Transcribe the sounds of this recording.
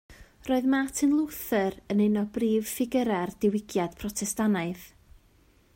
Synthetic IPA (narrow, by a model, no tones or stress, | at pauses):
roːɨðmatʰɨnlˠʊwθɨɾənɪnɔbriːv̥fɪɡəɾɛrdɪwɪɡjad̥pʰrɔtʰɛstanaɨð